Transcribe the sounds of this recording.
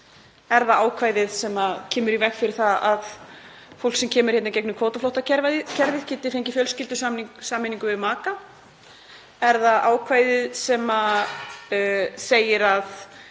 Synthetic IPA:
ɛɾðaaːwkʰvaːjðɪðsɛmacʰɛːmʏɾivɛxfɪɾɪɾ̥θaðað | fowl̥ksɛmcʰɛːmʏɾ̥ɛt̪nacɛknʏkʰvoːt̪aflowht̪acɛɾvaɪcʰɛɾðɪ̥cʰɪːt̪ɪfejɲcɪfjœlscɪlt̪ʏsasaːmɪniŋkʏvɪðmaːka | ɛɾðaðʔaːwkʰvaːjðɪðsɛma | seːjɪɾað

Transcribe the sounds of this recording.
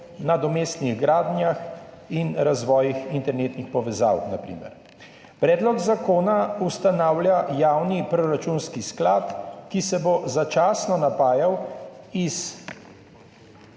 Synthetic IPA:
nad̪ɔmeːst̪niɣɡɾaːd̪njax | inɾazʋɔːjixint̪ɛɾneːt̪nixpɔʋɛza̰ːwnapɾḭːmɛ̰ɾ | pɾɛːd̪lɔɡzakoːnaust̪anaːwlʲjajaːwnipɾɔɾat͡ʃunskisklaːt̪kisɛbozat͡ʃaːsnɔnapaːjaw | is

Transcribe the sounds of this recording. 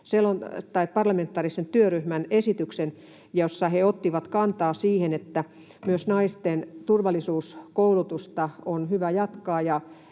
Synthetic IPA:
selont̪ɑippɑrlɑment̪ːˑɑːrisent̪yøryhmænesit̪yksen | josːɑheot̪ːiʋɑt̪kɑnt̪ɑːsiːhenet̪ːæ | myøsnɑist̪ent̪urʋɑlisuːskoulut̪ust̪ɑonhyʋæjɑt̪kɑːjɑ

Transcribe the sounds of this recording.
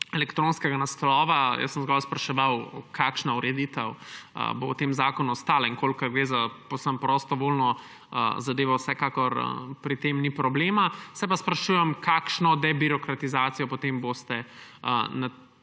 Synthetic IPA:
ɛlɛkt̪ɾõnskɛɡanaslɔʋajə̰sːəmzɡɔlspɾɐʃɛʋawkʰaːkʃnauɾɛd̪it̪əwə̰bowt̪eːmzaːkɔnuɔst̪aːlaiŋkolkːɐɾɡɾeːzapowsəmpɾɔst̪ɔʋolnɔ̰ | zad̪eːʋɔwsɛkaːkɔɾə̰pɾit̪emnipɾɔbleːmasɛp̬aspɾɐʃuːjɛmkʰaːkʃnɔd̪ɛbiɾɔkɾat̪izaːt̪sijɔpɔt̪embost̪ɛ̰ | na

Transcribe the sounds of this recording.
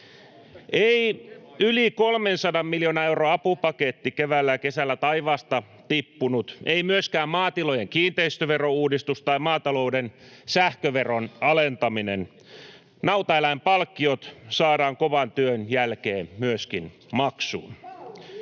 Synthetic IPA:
ʔeiylikolmensɑdɑmmiljonɑewroɑpupɑket̪ːikeʋælːækesælːæt̪ɑiʋɑːst̪ɑ | t̪ipːunut̪eimyøskæːmmɑːt̪ilojeŋkiːnt̪eist̪øʋerouːdist̪ust̪ɑimɑːt̪ɑloudensæhkøʋeronɑlent̪ɑminen | nɑwt̪ɑelæimpɑlkːiot̪sɑːɾɑːŋkoʋɑnt̪yønjælkeːmmyøskin | mɑksṵːn

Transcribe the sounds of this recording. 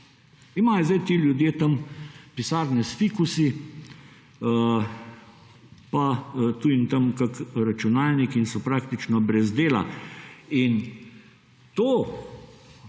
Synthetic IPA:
imaːjɔzd̪ɐjt̪eːljud̪jeːt̪ɐmpisaːɾnɛsfikusi | ə | pat̪uːint̪ɐmkakɾat͡ʃunaːlnikinsɔpɾaːk̚t̪it͡ʃnɔbɾɛzd̪eːla̰ | in | t̪oː

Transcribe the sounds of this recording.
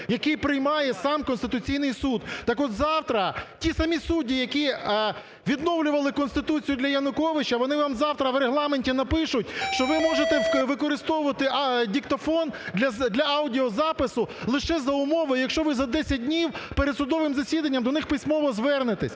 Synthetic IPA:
jɐkɪjpɾɪjmɑjɛsɑmkɔnst̪ɪt̪ʊt͡sʲijnɪjsud̪t̪ɑkɔt̪zɑwt̪ɾɐtʲisɐmʲisudʲːijɐkʲi | ʋʲid̪nɔwlʲʊʋɐlˠɪkɔnst̪ɪt̪ut͡sʲijʊd̪lʲɐjɐnʊkɔʋɪt͡ʃɐʋɔnɪʋɑmzɑwt̪ɾɐʋɾeɦlˠɑmenʲtʲinɐpɪʃʊtʲʃt͡ʃɔʋɪmɔʒet̪ɛʋɪkɔɾɪst̪ɔʋʊʋɐt̪ɪdʲikt̪ɔfɔndlʲɐd̪lʲɐɑwdʲiɔzɑpɪsʊlˠɪʃɛzɐʊmɔʋɐjjɐkʃt͡ʃɔʋɪzɐd̪ɛsʲɐt̚ʲdʲnʲiwpeɾed̪sʊd̪ɔʋɪmzɐsʲid̪ɐnʲːɐmd̪ɔnɪxpɪsʲmɔʋɔzʋɛrnɪt̪ɪsʲ

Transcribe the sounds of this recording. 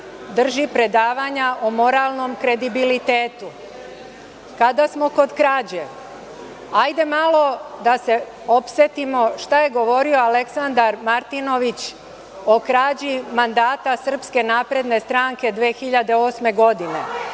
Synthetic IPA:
d̪r̩ʒipɾe̞d̪aːʋaɲaʔomo̞ɾalˠno̞mkɾe̞d̪ibilit̪eːt̪u | kad̪asmo̞ko̞d̪kɾaːd͡ʑeʋ | ajd̪e̞malo̞d̪ase̞ | o̞pse̞t̪imo̞ʃt̪aje̞ɡo̞ʋo̞ɾio̞ale̞ksand̪aɾmaɾt̪ino̞ʋit͡ɕ | okɾaːd͡ʑimand̪aːt̪asr̩pske̞naːpɾe̞d̪ne̞st̪ɾaŋke̞d̪ʋeːxiʎad̪e̞o̞ːsme̞ɡo̞d̪ine̞

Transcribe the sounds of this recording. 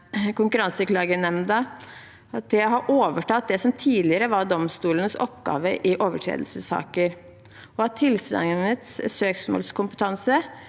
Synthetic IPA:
kʊŋkʉɾɑnsəklɑːɡənɛmd̪ə | ɑt̪̚d̪ɛɦɑɾʔoːʋəʈɑt̪̚d̪ɛsɔmt̪ʰiːlɪəɾəʋɑɖɔmst̪uːlənəsɔpɡɑ̰ːʋəʔɪʔoːʋəʈʰɾḛːd̪əl̩səsɑ̰ːkəɾ | ɔɑt̪ʰːɪlsɑ̰ŋnət̪ssøːksmo̰ːlskʰʊmpət̪ʰɑnsə

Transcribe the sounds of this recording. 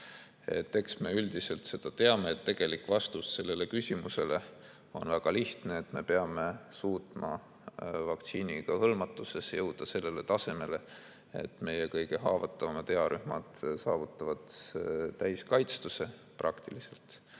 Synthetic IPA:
ḛt̪ːe̞ksme̞yld̪ise̞lt̪se̞d̪̥ɑt̪e̞ɑme̞et̪ːe̞ɡ̥e̞likˑvɑst̪usːe̞lːe̞le̞kysʲimuse̞le̞ | o̞nvæɡ̥ɑliht̪ne̞ːt̪me̞pe̞ɑme̞suːt̪mɑ̰ | vɑkt̪siːnʲiɡ̥ɑhɤlmɑt̪ːˑuse̞sjɤwd̪̥ɑse̞lːe̞le̞t̪ɑse̞me̞le̞ | ḛt̪ːme̞je̞kɤjɡ̥e̞ɦɑːvɑt̪ːˑɑvɑmɑt̪e̞ɑɾʔyhmɑ̰d̪̥sɑːvut̪ˑːɑvɑt̪t̪æjskɑjt̪st̪use̞ | prʔɑkt̪ilise̞lt̪

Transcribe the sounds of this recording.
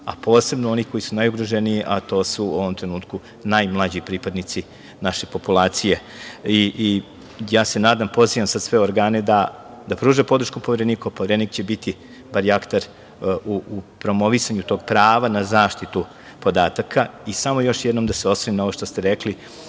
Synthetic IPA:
apo̞ːse̞bnoo̞nikʰo̞jisunajuɡɾoʒeniiʔat̪o̞ːsuo̞ʋo̞mt̪ɾenuːt̪ku | najmlˠad͡ʑipɾiːpad̪nit̪si | naʃepo̞pulˠaːt̪sije̞ | iʔi | jaːse̞naːd̪ampo̞ziʋamsad̪sʋe̞oɾɡaːne̞d̪a | d̪apɾuːʒepo̞d̪ɾ̩ʃkupo̞ʋeɾeniːkopo̞ʋeɾeniːkt͡ɕe̞bit̪i | baɾjakt̪aɾ | uupɾo̞mo̞ʋisaɲut̪o̞ːɡ̥̚pɾaːʋanazaːʃt̪it̪u | po̞d̪aːt̪akʰaisamo̞jo̞ʃjed̪no̞md̪ase̞o̞sʋoninao̞ʋoʃt̪ost̪e̞ɾekli

